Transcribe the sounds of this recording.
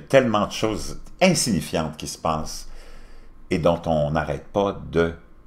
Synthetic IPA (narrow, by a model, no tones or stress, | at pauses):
t̪ɛlmɑ̃d̪əʃoːzɛ̃siɲifjɑ̃t̪kʲisə̥paːs | ed̪ɔ̃t̪ɔ̃naʁɛ̰ːt̪̚pad̪ə